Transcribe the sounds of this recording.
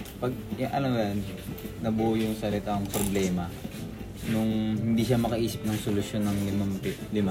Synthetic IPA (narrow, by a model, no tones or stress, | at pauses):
pɐɡ̚ʔɐ̰lɐmjannɐbujʊŋsɐlɪt̪aŋpɾoblɛːmɐ | nʊŋɦɪnd̪iːʃ̬amɐkɐʔiːsɪp̚nɐŋsolʊsjo̞nːɐŋlɪmampɪlɪma